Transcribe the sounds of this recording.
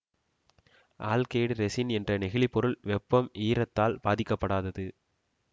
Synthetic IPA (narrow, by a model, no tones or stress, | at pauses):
ʔaːlkeːɽɾɛsɪnɛndrɐnɛɣɪɭɪpːɔɾɯɭʋɛpːɐmʔiːɾɐt̪ːaːlbaːðɪkːɐpːɐɽaːðɐðɯ